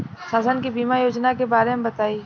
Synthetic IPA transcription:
saːsənkibiːmajoːd͡ʒnakebaːɾemebɐt̪aːiː

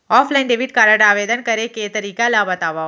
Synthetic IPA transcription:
ɔfʰlaɪnɖeʋiʈkaɾəɖaːʋed̪ənkəɾeket̪əɾiːkalabət̪aʋa

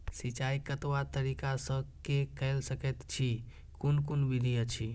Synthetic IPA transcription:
sit͡ʃaikət̪wat̪əɾikasə̃kekəlsəkɛt̪t͡ʃʰi | kunkunbid̪ʱijət͡ʃʰi

